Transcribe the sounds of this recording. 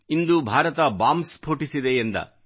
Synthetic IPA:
ind̪ubʱaːɾɐt̪ɐbaːmspʰoːʈisid̪eend̪ɐ̰

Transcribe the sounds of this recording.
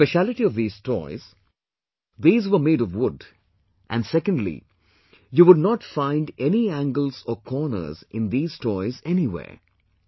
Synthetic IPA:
peʃælɪʈiɔvðiːz̥tʰɔ̰ɪz̥ | ðiːzʋəmeːɾɔvwʊd | ʔæ̰̃nɖsɛkə̃ndlḭ | juwʊd̚nɔʈfãɪ̃nɖɛniæ̃ŋɡəl̩ˠzɔkʰɔɹnə̰˞zʔɪ̃nd̪iːz̥tʰɔɪzɛniwḛː

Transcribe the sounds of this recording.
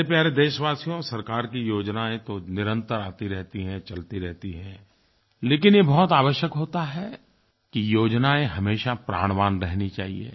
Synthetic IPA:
epjaːɾed̪eːʃʋaːsijõsɐɾkaːɾkijoːd͡ʒnaẽt̪onɪɾə̃nt̪əɾaːt̪iɾɛɦt̪iɦɛ̃t͡ʃɐlt̪iɾɛɦt̪iɦɛ̃ | leːkɪnjebɔɦʊt̪aːʋəʃjəkɦoːt̪aɦɛ | kijoːd͡ʒnaẽɦɐmeːʃapɾa̰ːɽ̃ʋaːnɾɛɦnit͡ʃa̰ːɦḭḛː

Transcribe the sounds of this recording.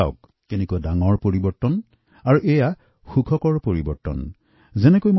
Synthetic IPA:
a̰ʊkː | ɛnɛkuadaŋɔɹpoɹibɔɹtɔn | aɹuʔɛja | xukʰɔkɔɹpoɹibɔɹtɔ̰n | zɛnɛkojmo

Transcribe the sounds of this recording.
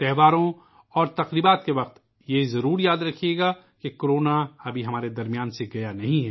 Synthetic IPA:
t̪ɛɦʋaːɾõ | ɔːɾt̪ɐqɾiːbaːt̪̚keʋɐq̚t̪ | jezɐɾuːɾjaːd̪ɾɐkʰijeːɡa | kekoɾoːnaɐbʱiɦɐmaːɾed̪ɐɾmijaːnseɡɐjanɐɦĩɦɛ

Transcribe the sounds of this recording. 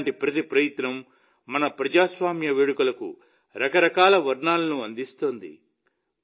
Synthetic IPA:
ɳʈipɾɐt̪ipɾɐjit̪nɐmː | ɐnɐpɾɐd͡ʒaːsʋaːmjɐʋeːɽukulɐkṵ | ɾɐkɐɾɐkaːlɐʋɐɾɳaːlɐnuɐnd̪ist̪oːnd̪ḭ

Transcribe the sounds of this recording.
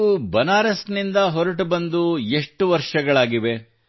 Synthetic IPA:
ubɐnaːɾɐsnind̪ɐɦɔɾɐʈbɐnd̪ue̞ʂʈuʋɐɾʂɐɡɐɭaːɡiʋe̞

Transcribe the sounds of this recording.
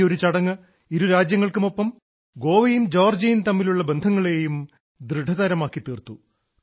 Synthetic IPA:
o̞ɾut͡ɕɐɽɐŋːɐ | iɾuɾaːd͡ʑjɐŋːɐɭkumo̞pːɐm | ɡo̞ːʋɐjumd͡ʑoːrd͡ʑɐjunt̪ɐmːiluɭːɐbe̞nd̪ʱɐŋːɐɭe̞ːjum | d̪rɨɖʱɐðɐɾɐmaːkːit̪iːrt̪ːu

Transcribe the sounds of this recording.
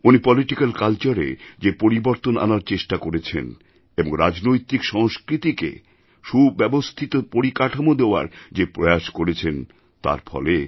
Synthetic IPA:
unipɔliʈikalkalt͡ɕaɾḛd͡ʑepoɾiboɾt̪onʔa̰naɾt͡ɕeʃʈakoɾet͡ɕʰḛn | eboŋɾad͡ʑnojt̪ikʃɔŋskɾit̪ikḛ | ʃubbɛbost̪ʰit̪opoɾikaʈʰamod̪eoa̰ɾd͡ʑepɾojaʃkoɾet͡ɕʰen | t̪a̰ɾfʰɔ̰le

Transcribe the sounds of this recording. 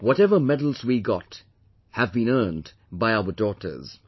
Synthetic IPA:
wɔɾɛvəmɛdl̩ˠzwiɡɑt | hævbĩnɜ˞nd | baɪaʊədɔtʰə̰˞z̥

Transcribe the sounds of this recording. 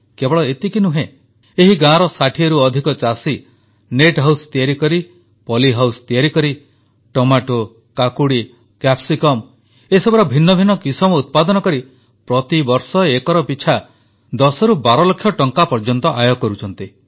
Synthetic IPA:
kebɔɭɔet̪ikinuɦẽ | eɦiɡãɾɔsaʈʰieɾuɔd̪ʱikɔt͡ʃasi | neʈɦawst̪ijaɾikɔɾi | pɔliɦawst̪ijaɾikɔɾi | ʈomaʈo | kakuɽi | kapsikɔm | esɔbɔɾɔbʱinːɔbʱinːɔkisɔmɔut̪̚pad̪ɔnɔkɔɾi | pɾɔt̪ibɔɾsɔekɔɾɔpit͡ʃʰa | d̪ɔsɔɾubaɾɔlɔkʰːjɔʈɔŋkapɔɾd͡ʒɔnt̪ɔʔajɔkɔɾut͡ʃʰɔnt̪i

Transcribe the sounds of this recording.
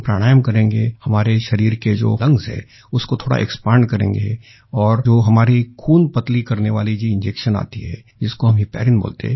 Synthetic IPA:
pɾa̰ːɽ̃aːjəmkɐɾẽːŋɡehɐmaːɾeʃɐɾiːɾked͡ʒo̰ːlɐ̃ŋɡzɦɛ̰ː | ʊskot̪ʰoːɽa̰ʔɛ̰kspaːɳɖkɐɾḛ̃ːŋɡe | ɔːɾd͡ʒoːɦɐmaːɾikʰuːnpɐt̪likɐɾneʋaːlid͡ʒiɪ̃nd͡ʒeːkʃəna̰ːt̪iɦɛ̰ː | d͡ʒɪskoɦɐmɦipɛ̰ːɾɪnbo̰ːlt̪ḛɦ

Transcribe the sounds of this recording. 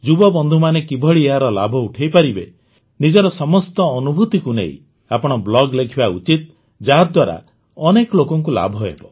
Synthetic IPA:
d͡ʒubɔbɔnd̪ʱumanekibʱɔɭieɦaɾɔla̰bʱɔuʈʰejpaɾibḛ | nid͡ʒɔɾɔsɔmɔst̪ɔːnubʱut̪ikunḛḭ̃ | apɔɽ̃ɔblɔɡlekʰibaṵt͡ʃit̪ | d͡ʒaɦd̪waɾa̰ | ɔnekɔlokɔŋk̬ula̰bʱɔḛbɔ

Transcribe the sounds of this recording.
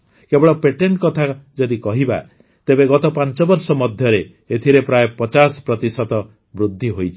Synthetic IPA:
kebɔɭɔpeʈeɳʈkɔt̪ʰad͡ʒɔd̪ikɔɦiba̰ | t̪ebeɡɔt̪ɔpant͡ʃɔbɔɾsɔmɔd̪ʱjɔɾe | et̪ʰiɾepɾajpɔt͡ʃasɔ̥pɾɔt̪isɔt̪ɔ | bɾud̪ʱːiɦojt͡ʃʰi̥

